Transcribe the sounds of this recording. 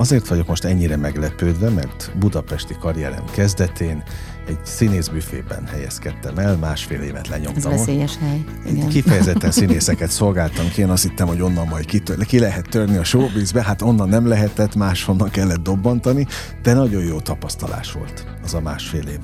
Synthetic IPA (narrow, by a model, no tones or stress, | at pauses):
ɒzeːrt̪ʋɒɟo̞kmo̞ʃt̪ɛɲːiɾɛmɛɡlɛpøːd̪ʋɛmɛ̰rt̪bud̪ɒpɛʃt̪ikɒɾijɛ̰ɾɛ̰mkɛzd̪ɛt̪eːn | ɛɟsineːzbyːfḛːbɛ̰nhɛjɛ̰skɛt̪ːɛmɛlmaːʃfḛːleːvɛ̰t̪lɛɲo̞̰mt̪ɒmoʃhɛj | eːnkifɛjɛzɛt̪ːɛnsineːsɛkɛt̪so̞lɡaːlt̪ɒmkieːnɒst̪hit̪ːɛmho̞ɟo̞nːɒmmɒjt̪kit̪økilɛɦɛt̪ːørniɒʃoːbiːzbɛɦat̪o̞nːɒnːɛmlɛɦɛt̪ɛt̪maːʃho̞nːɒŋkɛlːɛt̪̚d̪o̞bːɒnt̪ɒni | d̪̥ɛnɒɟo̞jjoːt̪ɒpɒst̪ɒla̰ːʃʋo̞̰lt̪ | ɒzɒmaːʃfeːleːv